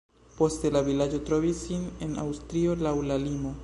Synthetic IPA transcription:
post̪elaβilad͡ʒot̪ɾoβisinena̰wst̪ɾiolawlalimo

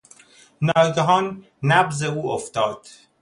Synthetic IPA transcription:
nɒːɡɑɦɒːn | næbzeuːoft̪ɒːd̪̥

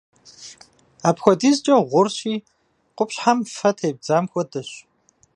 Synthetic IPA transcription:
aːpxʷɔdiːzt͡ʃʼɐʁʷʊrɕiː | qʷʊpɕħamfɐtʰeːb̚d͡zaːmxʷɔdɨɕ

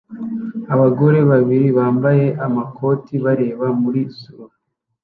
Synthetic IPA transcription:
aβaɡo̞ɾe̞βaβiɾiβaːmbaje̞ʔamakʰo̞tiβaɾe̞ːβamuɾizuɾo

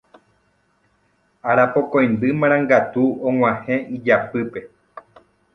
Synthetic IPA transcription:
aɾapokõj̃nd̪ɨmãɾ̃ãŋɡat̪uõw̃ãhẽid͡ʒapɨpe̞

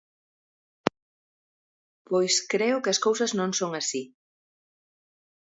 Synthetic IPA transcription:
pojskɾɛʊkɪɐskowsɐznõŋsoŋasi

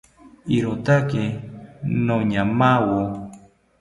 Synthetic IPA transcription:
iɾot̪ake | noɲamawu

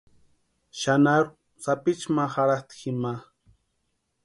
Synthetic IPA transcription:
ʃanaɾ | sapɪt͡ʃmaxaɾat̪xima

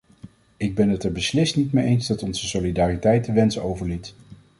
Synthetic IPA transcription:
ɪɡ̚bɛnɦətɛɹbəslɪstnitmeʔejnzdɑtɔnzəsolidaːritɛjtəʋɛnsəowvəɹlit

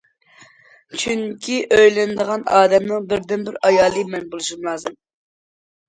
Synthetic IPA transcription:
t͡ʃʰyŋkʲʰiʔøjlɪnɨd̪əʁɑnɑːd̪ɛmnɨŋbɪɾd̪ɪnbɪɾɑjɑːlˠɨmɛnbolˠuʃumlˠɑːzɨm

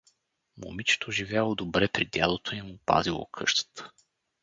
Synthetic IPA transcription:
mo̰mit͡ʃɛ̥t̪oʒivʲjalˠod̪obɾɛpɾid̪ʲjalˠot̪oimupa̰zilˠo̰kʰɤʃt̪ə̥t̪ə̥

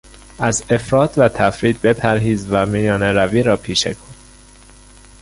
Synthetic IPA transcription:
ʔæze̞fɾɒːt̪ʰvæt̪ʰæfɾiːd̪̚be̞pʰæɾɦiːzvæmijɒːneɾæviːɾɒːpʰiːʃḛkʰon

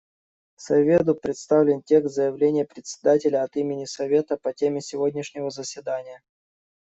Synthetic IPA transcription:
sɐvʲe̞d̪ʊpɾʲɪt̪st̪avlʲɪntʲe̞ksʲt̪zəjɪvlʲenʲɪjəpɾʲɪt̪ʲsʲɪ̥d̪atʲɪlʲəɐt̪imʲɪnʲɪsɐvʲe̞t̪əpɐtʲemʲɪsʲɪvo̞dʲnʲɪʂnʲɪvəzəsʲvʲɪd̪anʲɪjə

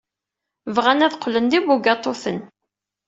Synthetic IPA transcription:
vʁænæðqːlənd̪ibuɡɑt̪ˤːoθən

